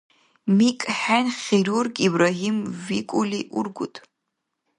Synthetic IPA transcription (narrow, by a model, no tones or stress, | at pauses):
mikʼħanʲχʲiɾurɡibraɦimvikʷʼuliʔṵrɡʷʊtʼ